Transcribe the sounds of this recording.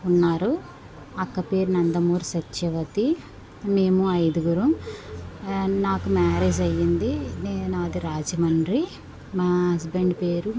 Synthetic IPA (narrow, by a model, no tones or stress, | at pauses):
unːaːɾu | ɐkːɐpe̞ːɾunɐnd̪ɐmuːɾsɐt͡ʃːʃɐʋɐt̪i | meːmuɐjd̪uɡuɾum | naːkumaːɾeːd͡ʒɐjːind̪inɐd̪iɾaːd͡ʒɐmɐɳɖɾi | maɐsbeɳɖpe̞ːɾu